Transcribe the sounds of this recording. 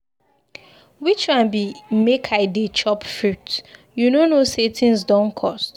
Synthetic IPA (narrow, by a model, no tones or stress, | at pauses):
wit͡ʃkãnbimekʰaɪdet͡ʃʰɔpfɹut | junonosetʰĩnsdɔ̃nkʰɔst